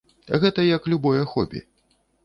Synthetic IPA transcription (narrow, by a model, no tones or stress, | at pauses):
ɣɛt̪ɐjɐklʲubɔjɐxɔ̰bʲḭ